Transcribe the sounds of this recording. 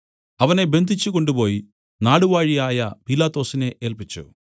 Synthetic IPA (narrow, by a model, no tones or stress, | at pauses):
ɐʋɐne̞be̞nd̪ʱit͡ɕːuko̞ɳɖupo̞ːji | naːɽuʋaːɻijaːjɐpilaːt̪o̞ːsine̞ʔeːlpit͡ɕːṵ